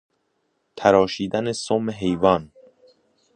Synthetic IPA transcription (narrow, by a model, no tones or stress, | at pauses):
t̪ʰæɾɒːʃiːd̪ænesoːmeɦe̞jvɒːn